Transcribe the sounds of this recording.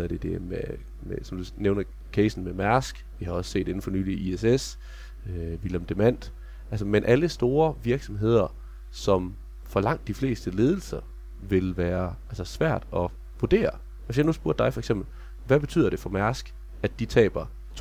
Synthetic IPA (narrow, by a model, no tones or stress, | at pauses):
ðɐd̥e̝d̥eme | mesɒ̽md̥uneʊnɐ | kʰeɪsn̩memæɐsɡ̥ʋihɑ̈ɒ̽sse̝̰ːd̥e̝n̩fɒ̽ny̰ːliʔieses | øʋilemd̥emæn̰d̥ | ælsəmenʔæləsd̥o̝ːɐʋiɐɡ̥sɒ̽mɦe̝ð̞̰ˠɐ | sɒ̽m | fɒ̽lɑ̈ŋ̰d̥ifle̝̰ːsd̥əle̝ːð̞ˠl̩sɐ | ʋe̝lʋæːɐælsəsʋæɐ̰d̥ɒ̽ | ʋuɐd̥e̝̰ːɐ | ʋesjaɪnusb̥uɐ̰d̥ɑ̈ɪfɒ̽eɡ̥sem̰b̥l̩ | ʋæb̥e̝t͡sʰy̰ːð̰ˠɐɾ̥e̝fɒ̽mæɐsɡ̥ | æd̥it͡sʰɛ̰ːb̥ɐ | t͡sʰ